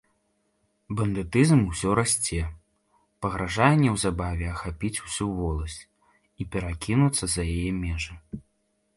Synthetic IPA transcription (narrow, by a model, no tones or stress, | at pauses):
bɐnd̪ɨt̪ɨzmusʲɔɾasʲt͡sʲɛ | pɐɣɾaʐajɛnʲːɛwzabavʲɛɐxapʲit͡sʲu̥sʲuvɔlˠɐsʲ | ipʲɛɾakʲinut̪sːɐzɐjajɛmʲɛʐɨ